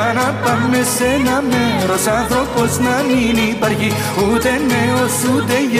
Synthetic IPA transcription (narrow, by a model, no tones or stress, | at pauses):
anat̪ɐmmesenameɾosãːt̪õkosnaninipɐɾɦi | ɦuːt̪eneosud̪ej